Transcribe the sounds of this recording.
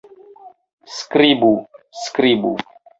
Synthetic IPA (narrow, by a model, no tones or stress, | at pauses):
skɾibuskɾibṵ